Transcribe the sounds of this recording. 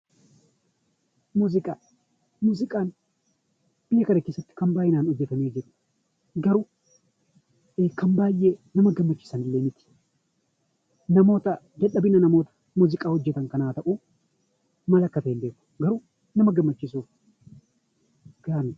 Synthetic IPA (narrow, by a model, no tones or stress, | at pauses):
muːzɪkʼaː | muːzɪkʼaːn | b̥ɪjːɐkɐnɐke̞ːsːɐt̪ːɪ̥kɐmbaːjɪnaːnɔd͡ʒːɛt̪ɐme̞ːd͡ʒɪɾʊ̥ | ɡɐɾu | kɐmbaːjːenɐmɐɡɐmːɐt͡ʃːɪ̥sɐnɪlːeːmɪt̪ɪ̥ | nɐmo̞ːt̪ɐ | d͡ʒɐᶑɐbɪnɐnɐmo̞ːt̪ɐ̥ | muːzɪkʼaːhɔd͡ʒːɛt̪ɐŋkɐnaːt̪ɐʔu | mɐlɐkːɐt̪ɐːmbe̞ːkːʊ̥ɡɐɾu | nɐmɐɡɐmːɐt͡ʃːɪsuːf | ɡ̥aːmɪ